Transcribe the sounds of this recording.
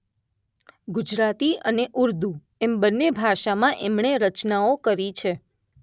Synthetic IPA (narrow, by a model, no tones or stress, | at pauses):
ɡud͡ʒɾat̪iəneʔuɾd̪u | ɛmbənːebʱaʃamãʔɛmɳeɾət͡ʃnaokəɾit͡ʃʰe